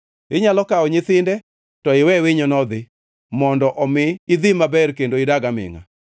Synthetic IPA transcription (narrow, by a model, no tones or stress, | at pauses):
ɪɲalɔkaɔɲɪθɪndɛ | tɔɪwɛwɪɲɔnɔd̪ɪ | mɔndɔʔɔmɪːd̪ɪmabɛrkendoidaɡamɪ̰ŋa̰